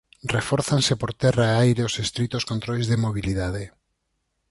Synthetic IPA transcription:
refɔɾθansepoɾt̪ɛraeajɾeosest̪ɾit̪oskont̪ɾojzðemoβ̞iliðaðe

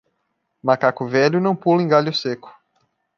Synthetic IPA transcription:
makakʊvɛʎʊnɐ̃w̃pulẽɡaʎʊsekʊ̥

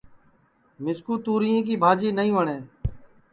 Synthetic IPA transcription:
mɪskuːt̪uːɾiːjẽːk̬iːbʱaːd͡ʒiːnəĩːʋəɳeː

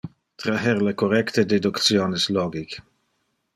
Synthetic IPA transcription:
t̪ɾaɦɛɾlekoɾɛkt̪əd̪ed̪ukt̪sjoːnɪsloːɡik

